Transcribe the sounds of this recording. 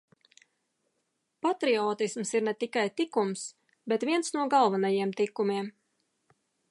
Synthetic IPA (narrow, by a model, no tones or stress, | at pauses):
pat̪ɾiɔːt̪ismsiɾnɛt̪ikajt̪ikums | bet̪vʲiɛnsnuɔɡalˠvanajiɛmt̪ikumʲiɛm